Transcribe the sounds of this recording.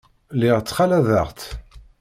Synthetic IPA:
liʁt͡sːχalæðəʁt̪

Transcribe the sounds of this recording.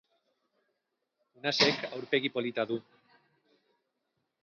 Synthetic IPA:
unasekawɾpe̞ɣ̞ipo̞lit̪aðu

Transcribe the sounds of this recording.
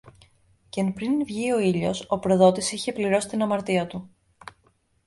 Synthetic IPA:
cenpɾinvʝio̞iʎo̞so̞pɾo̞ðo̞t̪isiçe̞pliɾo̞si̥t̪inɐmɐɾt̪iɐt̪u

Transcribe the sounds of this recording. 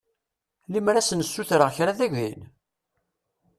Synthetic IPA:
limɾæsənəsːuθɾəʁçɾaðæʝʷḭn

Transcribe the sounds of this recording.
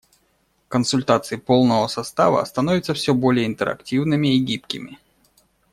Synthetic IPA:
kənsʊlʲt̪at̪sɨɪpo̞lˠnəvəsɐst̪a̰və̰st̪ɐnovʲɪt̪səfsʲobo̞lʲɪjəɪnt̪əɾɐ̰ktʲivnɨmʲɪːɡʲip̚kʲɪmʲɪ

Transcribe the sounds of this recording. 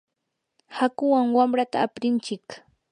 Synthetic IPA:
hakʊwaŋwamɾat̪a̰ːpɾɪnt͡ʃɪk

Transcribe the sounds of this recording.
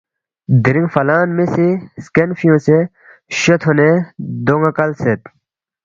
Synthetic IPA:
d̪iɾĩŋɡfɐlaːnmesiskenfijõse | ɕot̪ʰoned̪oŋakɐlset̪

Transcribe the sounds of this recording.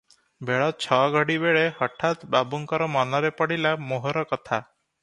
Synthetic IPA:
beɭɔt͡ʃʰɔɡʱɔɽibeɭehɔʈʰat̪babuŋkɔɾɔmɔnɔɾepɔɽilamoɦɔɾɔkɔt̪ʰa

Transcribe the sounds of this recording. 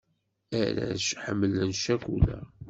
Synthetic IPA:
æɾæ̰ʃħəmːələnʃækʷːulæ̰

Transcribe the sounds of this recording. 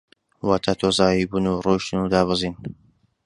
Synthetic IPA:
waːt̪ʰaːt̪ʰoːzaːjiːbunuroːʃtnud̪aːβɨziːn

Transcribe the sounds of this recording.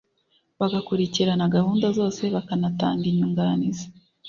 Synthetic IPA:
βaɡakuɾiciɾanaɡahuːndazo̞ːse̞βakanata̰ːŋɡiɲuːŋɡanizḁ

